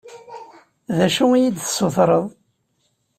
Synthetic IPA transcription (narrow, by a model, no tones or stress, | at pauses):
ðæʃuijid̪θsˤoθɾˤəðˤ